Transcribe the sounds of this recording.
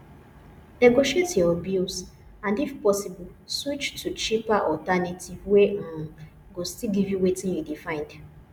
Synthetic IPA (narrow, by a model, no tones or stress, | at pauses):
nɛɡoʃietjɔɔbjus | ãndifpɔsibɔl | swit͡ʃtʰut͡ʃipaʔɔtanitʰivwẽ | ɡostilɡivjuwetĩnjudifãɪ̃nd